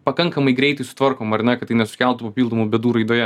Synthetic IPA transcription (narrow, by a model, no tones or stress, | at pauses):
pɐkɐŋkɐmɐɪɡɾʲɛɪt̪ɐɪsʊ̥t̪ʋɐɾkoːmɐɾʲnʲɛkɐt̪tɐɪnʲɛsʊ̥kʲɛlˠt̪upɐpʲiːlˠd̪oːmoːbʲɛd̪uːɾɐɪd̪oːjɛ